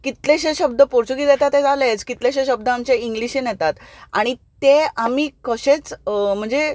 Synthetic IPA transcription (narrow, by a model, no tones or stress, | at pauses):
kit̪leɕeɕəb̚d̪əpoɾt͡ɕuɡiːd̪jɛt̪at̪ːed͡zalet͡skit̪leɕeɕəb̚d̪əamt͡ɕeiŋɡliɕinjɛt̪at̪a̰ɽ̃it̪eamiːkəɕet͡sm̤əɳd͡ze